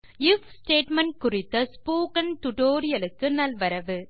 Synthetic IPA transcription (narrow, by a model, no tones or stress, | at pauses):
ɪfsʈeːʈmɐn̚kʊrɪt̪ːɐspoːkɐnt̪ʊʈoːɾɪjɐlɯkːɯnɐlʋɐɾɐʋɯ